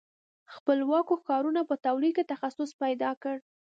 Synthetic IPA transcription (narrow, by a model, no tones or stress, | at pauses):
xpəlwɑkokɑɾunapət̪awlikt̪axasʊspajd̪ɑkəɽ